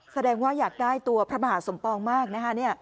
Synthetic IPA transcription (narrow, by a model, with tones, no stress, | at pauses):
sa˧dɛː˧ŋwaː˥˩jaː˨˩k̚daː˥˩jt̪u˧ɐpʰɾa˦˥baː˨˩t̪̚so˩˦mpɔː˧ŋmaː˥˩k̚na˦˥kʰa˦˥ni˥˩ɐ